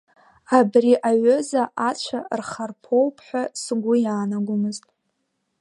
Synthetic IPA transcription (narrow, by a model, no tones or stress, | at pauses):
abriʔaɥozaʔat͡ʃʷʰarχarpʰo̞wpʰħʷᶣasɡʷʊjaːnaɡʷʊmɨztʼ